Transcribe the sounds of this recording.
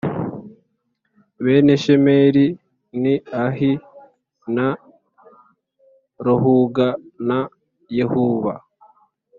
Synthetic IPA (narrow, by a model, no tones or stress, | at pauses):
βeːne̞ʃemeɾi | niaɦi | na | ɾoɦuɡana | jehuβa̰